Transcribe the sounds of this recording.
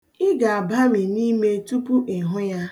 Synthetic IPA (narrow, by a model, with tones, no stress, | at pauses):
ɪ˦ɡa˨a˨ba˦mi˨ni˦me˦tu˦pu˦ʔɪ˨ɦʊ˦ja˦